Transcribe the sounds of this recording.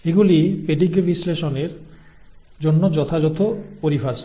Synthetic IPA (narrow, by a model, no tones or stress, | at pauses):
eɡulipeɖiɡbisleʃɔneɾ | d͡ʒonːod͡ʒɔt̪ʰad͡ʒɔt̪ʰopoɾifʰas